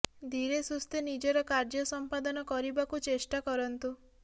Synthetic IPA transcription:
d̪ʱiɾesust̪enid͡ʒɔɾɔkaɾd͡ʒɔsɔmpad̪ɔnɔkɔɾibakut͡ʃesʈakɔɾɔnt̪u

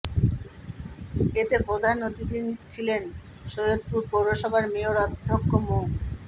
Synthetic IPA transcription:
et̪epɾod̪ʱanːot̪id̪ʱint͡ɕʰilen | ʃojod̪̚puɾpoɾːoʃɔbʱaɾmeoɾɔd̪ʱːokːomo

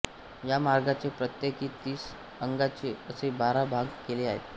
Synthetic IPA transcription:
jamaɾɡat͡sepɾət̪jekiːt̪iːs | əŋɡat͡ɕiəsebaɾabʱãŋɡkeleːaɦḛt̪

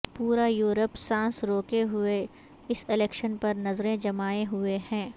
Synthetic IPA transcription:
puːɾajuːɾəpsãːsɾoːkeɦʊe | ɪsɪlɛːkʃənpɐɾnɐzɾẽd͡ʒɐmaːeɦʊehɛ̃ː

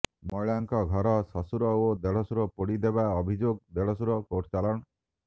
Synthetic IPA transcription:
mɔɭaŋkɔɡʱɔɾɔsɔsuɾɔod̪eɭɔsuɾɔpoɽid̪eβaɔbʱid͡ʒoɡ̚d̪eɭɔsuɾɔkoʈʰt͡ʃalɔɳ̃ɔ

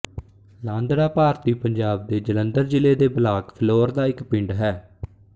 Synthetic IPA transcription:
lãːnd̪ɾaːpaːɾt̪iːpəɲd͡ʒaːb̚d̪eːd͡ʒələ̃nd̪əɾd͡ʒɪleːd̪eːbəlaːkpʰloːɾd̪aːɪkpɪ̃ɳɖɦɛː

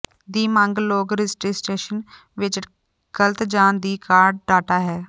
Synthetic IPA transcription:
d̪iːmaŋɡloːɡɾɪsʈiːsʈeːʃən | ʋɪt͡ʃ | ɡ̥əlt̪d͡ʒãːnd̪iːkaːɾɖ̚ɖaːʈaːɦɛː

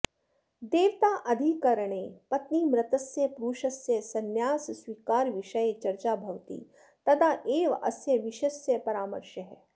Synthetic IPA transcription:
d̪eːʋt̪aːʔɐd̪ʱikɐɾəɳ̃eːpɐt̪niːmɾɐt̪ɐsjɐpɾuːʃɐsjɐsɐnjaːssʋiːkaːɾʋiʃɐjet͡ʃɐɾt͡ʃaːbʱɐʋt̪ḭː | t̪ɐd̪ʰaːʔeːʋɐ̰sjɐʋiʃɐsjɐpɐɾaːmɐ̰ɾʃjɐɦɛ

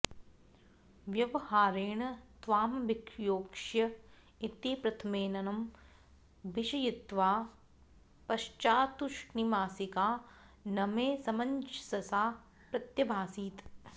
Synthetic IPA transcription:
ʋjɐʋɐhaːɾeːɳɐt̪ʋaːmbɪkjoːkʂjɐ | it̪iːpɾɐt̪ʰɐmeːnɐnɐm | bɪʃɐjit̪ʋaː | pɐʃt͡ʃaːt̪uʃnimaːsikaːnɐmeːsɐmɐɲd͡ʒsɐsaː | pɾɐt̪jɐbʱaːsiːt̪

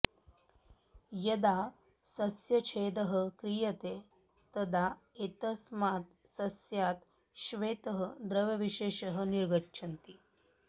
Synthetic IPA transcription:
jəd̪a | sɐsjɐt͡ʃʰeːd̪əɦəkɾijət̪e | t̪əd̪a | et̪əsmat̪ | sɐsjat̪ | ʃʋeːt̪əɦəd̪ɾəʋɐʋiɕeːɕəɦəniɾɡətːʂʰɐnt̪iː

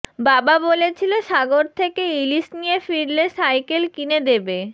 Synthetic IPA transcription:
bababolet͡ɕʰiloʃaɡoɾt̪ʰekeilisnijefiɾleʃajkelkined̪ebe

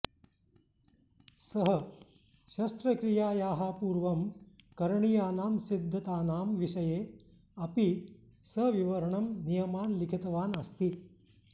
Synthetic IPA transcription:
sɐɦɐ | ʃɐst̪ɾɐkɾijaːjaːɦapuːɾʋɐmkɐɾɐɳijaːnaːmsid̪ʱːɐt̪aːnaːmʋiʃɐjeː | ɐpi | sɐʋiʋɐɾɐɳɐmnijɐmaːnlikʰit̪ɐʋaːnɐst̪i

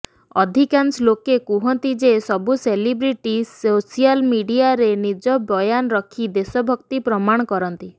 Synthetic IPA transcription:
ɔd̪ʱikanslokekuɦɔnt̪id͡ʒesɔbuselibɾiʈisosialmiɖiaɾenid͡ʒɔbɔjanɔɾɔkʰid̪esɔbʱɔkt̪ipɾɔmaɽ̃ɔkɔɾɔnt̪i

